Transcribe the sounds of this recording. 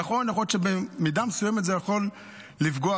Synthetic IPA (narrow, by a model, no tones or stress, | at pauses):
aχonjaχootʃebemid̪amesujɛmet̪zejaχolː | ifɡoa